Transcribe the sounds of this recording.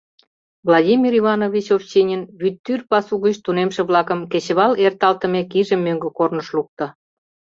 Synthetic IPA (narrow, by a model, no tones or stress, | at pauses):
vlˠɑdʲimʲiɾiβɑnoβʲit͡ɕoft͡ɕenʲənβyt̪ːyrpɑsuɣət͡ɕt̪unemʃĕβlɑkə̆mket͡ɕə̆βɑlert̪ɑlt̪ə̆mekiʒə̆mːøŋɡĕkornəʃluk̚t̪ə̆